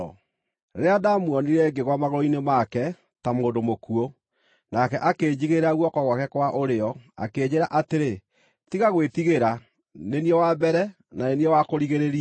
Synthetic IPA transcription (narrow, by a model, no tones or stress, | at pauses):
ɾeadamwɔniɾɛɡeɣwamaɣoɾɔinemakɛ | tamoːndomokuo | nakɛʔakeːd͡ʑiɣeɾaɣwɔkɔɣwakɛkwaʔoɾeɔa̰keːɲeɾaʔateɾe | tiɣaɣwetiɣeɾa | neniɛwabɛɾɛ | naneniɛwakoɾiɣeɾeɾia